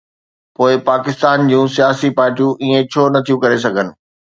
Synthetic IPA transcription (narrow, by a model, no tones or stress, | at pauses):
poːɪpaːkɪst̪aːnd͡ʑũːsijaːsipaːɾʈijũʔiːẽt͡ɕʰoːnɐt̪ʰijũkɐɾes̬ɐɡʱənɪ̆